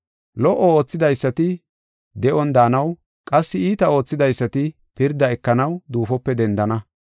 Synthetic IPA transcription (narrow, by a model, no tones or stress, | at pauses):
lɔʔːɔo̞ːt͡sːɪd̪ɐjsːɐt̪ɪ | d̪ɛʔɔnd̪aːnɐw | kʼɐsːɪiːt̪ɐo̞ːt͡sːɪd̪ɐjsːɐt̪ɪ | pɪɾd̪ɐɛkːɐnɐwd̪uːfɔpːɛd̪ɛnd̪ɐnɐ